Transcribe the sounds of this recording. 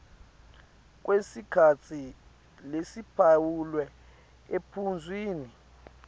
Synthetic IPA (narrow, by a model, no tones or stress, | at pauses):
k̬ʼwesikʰat͡sʰi | lesipʰawulwɛ | epʰund͡zʱwiːni